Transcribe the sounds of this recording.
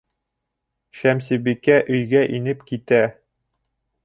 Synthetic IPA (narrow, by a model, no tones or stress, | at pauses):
ɕæmsibikæʔɵ̆jɡæʔinɘpkit̪æ